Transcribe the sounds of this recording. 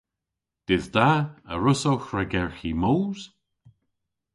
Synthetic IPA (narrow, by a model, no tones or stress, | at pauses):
d̪̥ɪzd̪aə̰ɹʊsowxɹaɡɛɹximoːz̥